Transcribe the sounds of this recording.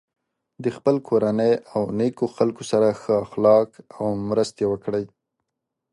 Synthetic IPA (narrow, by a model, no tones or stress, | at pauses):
d̪əxpəlkʰoɾanəjawnekoxalkosaɾaxəaxlɑkawmɾəst̪jewəkɽəj